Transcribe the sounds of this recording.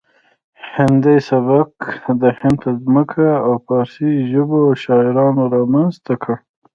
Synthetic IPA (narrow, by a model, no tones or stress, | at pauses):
hɪnd̪ajsabaqd̪əhɪnd̪t̪azməkʰaawpɑːɾsiʒəboʃɑɪɾɑnoɾɑmanzt̪akʰəɽ